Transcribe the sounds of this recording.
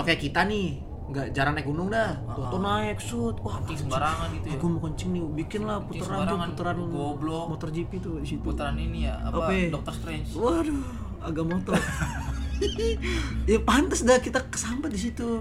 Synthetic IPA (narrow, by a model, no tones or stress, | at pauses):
akajakit̪anɪ | ŋɡaʔd͡ʒaɾanak̚ɡunʊŋda | ɔt̪ɔnaɛksut̪̚wahɪŋsəbaɾaŋanit̪uakuməkɔɲt͡ʃɪŋnibikɪnlahput̪uɾanɾuŋput̪əɾanoblɔmɔt̪ɔrd͡ʒipit̪udisit̪ut̪ɾaninijaa̰aapedɔk̚t̪ɔrst̪ɾɛɲt͡ʃwahdo | aɡaʔmot̪ɔr | japant̪asdakit̪akə̥sampat̪̚dis̬it̪u